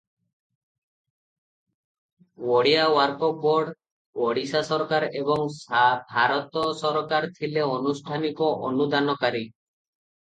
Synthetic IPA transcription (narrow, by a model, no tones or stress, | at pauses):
wɔɽijawaɾkɔbɔɾɖ | wɔɽisasɔɾkaɾebɔŋsabʱaɾɔt̪ɔsɔɾɔkaɾt̪ʰileɔnusʈʰanikɔʔɔnud̪anɔkaɾi